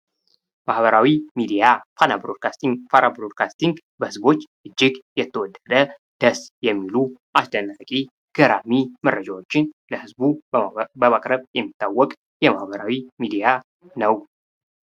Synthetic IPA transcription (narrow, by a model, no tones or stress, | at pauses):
mahβəɾawimid̪ijafanabɾod̪̚kʰast̪iŋɡfaɾʔabɾod̪kʰast̪iŋɡ | bəhɨzbo̞t͡ʃːʔɨd͡ʒːɪɡjɛt̪ʰːəwɔd̪ːəd̪ə | d̪̥əsjɛmːiluʔasd̪ənːakʼi | ɡ̥əɾamimərːəd͡ʒawo̞t͡ʃːɪnləhɨzbubəmakʼɾəβjɛmːit̪ʰːawːɔkʼ | jɛmahbəɾawimid̪ija | nəw